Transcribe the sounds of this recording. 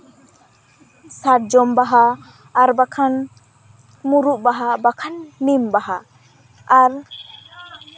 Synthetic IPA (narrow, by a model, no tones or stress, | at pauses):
saʈ̚d͡ʒɔmbaɦaː | ɾbakʰan | muɾuʔbaɦabakʰanːimbaɦaː | ɾ